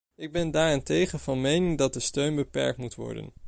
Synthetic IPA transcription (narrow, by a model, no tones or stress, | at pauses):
ɪɡ̚bɛndaːɹɪntejχənvɑnmejnɪŋdɑt̚dəstøɥnbəpɛ̰ɹktmutʋɔ̰ɹdə̰n